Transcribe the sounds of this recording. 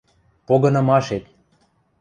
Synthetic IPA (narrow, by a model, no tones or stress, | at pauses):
poɣɤ̆nɑ̆mɑʃet̪̚